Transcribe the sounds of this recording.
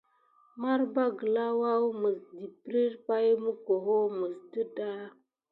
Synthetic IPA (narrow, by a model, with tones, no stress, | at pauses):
ma˦ɾba˦ɡə˨la˦wa˦wmə˨sdi˨pɾi˦ɾpa˦jmə˦ko˨ɦo˦mə˨sdə˦da˦